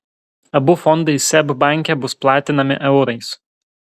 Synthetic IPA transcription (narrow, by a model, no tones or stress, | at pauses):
ɐbʊfɔnd̪ɐɪsʲɛbbɑˑŋʲˑkʲɛbʊsplˠɑːt̪ʲɪnɐmʲɪ̰ʔɛʊɾɐɪs